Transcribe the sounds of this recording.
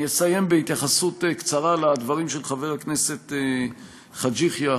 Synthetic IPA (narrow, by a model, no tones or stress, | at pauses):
jesaje̞mbeit̪jaχasut̪kt͡saʁalad̪vaʁimʃelχave̞ʁaknese̞t̪e | χad͡ʒiχja